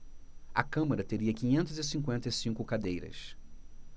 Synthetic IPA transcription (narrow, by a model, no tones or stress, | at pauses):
ɐkɐ̃mɐɾɐt̪eɾiɐkĩɲẽnt̪ʊzɪsĩŋkwẽnt̪ɐjsĩŋkʊkad̪ejɾɐ̰s